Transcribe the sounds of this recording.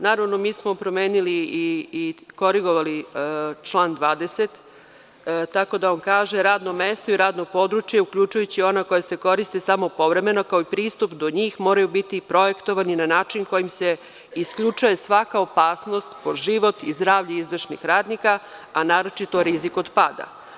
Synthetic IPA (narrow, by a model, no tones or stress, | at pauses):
naːɾaʋno̞miːsmo̞pɾo̞meːniliː | ko̞ɾiɡo̞ʋalit͡ʃlˠaːnd̪ʋaːd̪eset̪ | t̪ako̞d̪aonkaːʒe̞ɾaːd̪no̞meːst̪oiɾaːd̪no̞ɡ̚po̞d̪ɾut͡ʃjeukʎut͡ʃujut͡ɕio̞nakojase̞ko̞ɾist̪isamo̞po̞ʋɾe̞me̞no̞kaoipɾiːst̪upd̪o̞ɲiːxmoːɾajubit̪ipɾo̞je̞kt̪o̞ʋaninanaːt͡ʃinko̞jimse̞ | iskʎut͡ʃujesʋakaopaːsno̞st̪poʒiʋo̞t̪izd̪ɾaːʋʎeizʋrʃnḭxɾaːd̪nikaːnaːɾo̞t͡ʃit̪o̞ɾizikod̪pad̪a̰